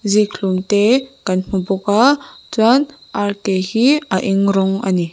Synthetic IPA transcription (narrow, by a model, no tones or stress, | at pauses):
zikʰluŋteɡ̥anm̥ubɔkat͡swan | aɾtehiaʔiŋɾɔŋa̰ni